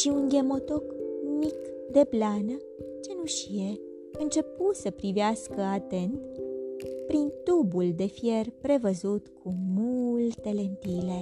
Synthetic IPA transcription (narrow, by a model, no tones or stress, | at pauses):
ʃiunɡʲemo̞t̪o̞kmikd̪e̞planə | t͡ʃe̞nuʃije | ɨnt͡ʃe̞put̪səpɾiveaskəat̪e̞nt̪ | pɾint̪ubuld̪e̞fje̞rpɾe̞vəzut̪kʰumult̪e̞le̞nt̪ile̞